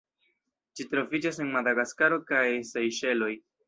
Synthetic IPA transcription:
t͡ʃitɾo̞vid͡ʒase̞nmad̪aɡaskaɾo̞kajsejʃe̞lo̞j

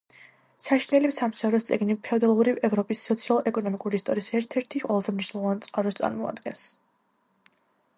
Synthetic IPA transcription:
saʃinɛlimsamsaɾɔst̪sʼiɡnipʰɛɔd̪alˠɔvɾivɛvɾɔpʼisːɔt̪sʰialˠɛkʼɔnɔmikʼuɾiːst̪ʼɔɾiːsɛɾt̪ʰɛɾt̪ʰiqʼwɛlˠazɛmniʃnɛlˠɔvant̪sʼqʼaɾɔst̪sʼa̰ɾmɔa̰d̪ɡɛns

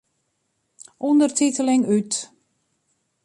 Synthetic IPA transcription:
ʔundərtitəlɪŋyt

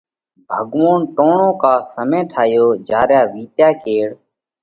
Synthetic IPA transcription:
bʱəɡʋoːnʈõːɳõːkaːsəmẽːʈʰaːjoːd͡ʒaːɾjaːʋiːt̪jaːkeːɽ

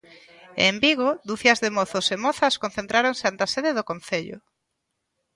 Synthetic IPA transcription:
embiɣoðuθjɐzðemoθʊsemɔθɐskon̟θẽnt̪ɾaɾoŋsɪant̪aseðeðokonθeʎʊ̰

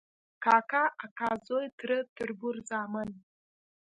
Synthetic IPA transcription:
kʰaːkʰaakʰazojtʰrɨtʰɨrbʊrzaːmɨn

